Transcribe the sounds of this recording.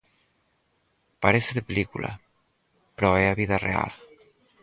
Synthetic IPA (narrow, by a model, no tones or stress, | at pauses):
paɾeseðepelikulʔa̰ | pɾɔeaβiðarea̰l